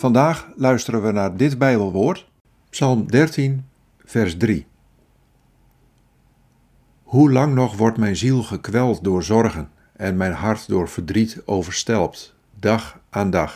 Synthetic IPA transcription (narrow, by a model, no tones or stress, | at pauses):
fɑndaːxlœɥstərənʋənadɪtbɛjbəlˠʋoːrt | psɑlˠmdɛrtin | v̥ɛrsdri | hulɑŋnɔχʋɔrtmɛjnzilˠɣəkʋɛlˠtdʊːrzɔrɣən | ɛnmɛjnɦartdʊːɹv̥ərdritoːwvərstɛlˠpt | daxʔaːndax